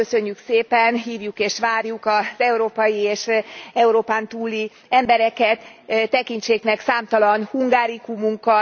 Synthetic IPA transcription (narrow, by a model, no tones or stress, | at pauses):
øsø̞ɲːykseːpɛnɦiːvjukeːʃʋaːrjukɒz̥ɛuɾoːpɒjieːʃɛuɾoːpaːnt̪uːlːi | ɛmbɛɾɛkɛt̪ːɛkiɲt͡ʃeːknɛksaːmt̪ɒlɒnhuŋɡaːɾikumuŋkɒ